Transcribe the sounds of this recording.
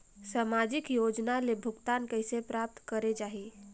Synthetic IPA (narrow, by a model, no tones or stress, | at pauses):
samad͡ʒikjod͡ʒnalebʱʊɡt̪ankəɦɪsepɾap̚t̪kəɾed͡ʒaɦi